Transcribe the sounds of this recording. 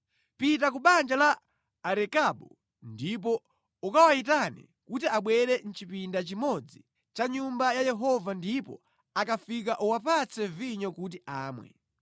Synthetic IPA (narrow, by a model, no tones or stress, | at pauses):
pit̬akuɓand͡ʒalaː | ɾɛkaɓɔ̰ | ndip̬ɔ | ukawaitanɛ̰ | kutiaɓwɛɾɛn̩t͡ʃipindat͡ʃimɔd͡zi | t͡ʃaɲumbajajɛɦɔvandipɔ̰ | akafik̬aʔuwapat͡sɛviɲɔkut̬iʔaːmwɛ̰